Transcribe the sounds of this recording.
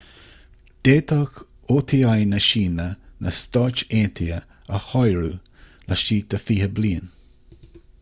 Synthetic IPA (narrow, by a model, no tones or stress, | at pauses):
d̪̥eːt̪ʰɔk | oːt̪ʰiajnəʃiːnənʔəst̪ɔːt͡ʃeːnt̪ʰiə | əhɔjɹu | lʔaʃiːd̪̥əfiːhəbliːən